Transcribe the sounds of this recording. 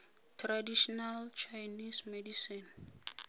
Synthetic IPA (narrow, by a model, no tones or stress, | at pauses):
tʰradiʃɔnalt͡ʃʰajnismɛdisin